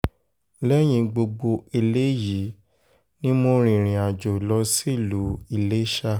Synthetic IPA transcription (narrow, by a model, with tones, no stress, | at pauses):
lɛ˦j̃ĩ˧ɡ͡bo˧ɡ͡bo˧e˧le˦ji˨˦ | nĩ˦mo˧ɾ̃ĩ˧˨ɾ̃ĩ˨a˨d͡ʒo˨lɔ˧˦si˦˨lu˨˦i˦˧˨le˦ʃa˦˨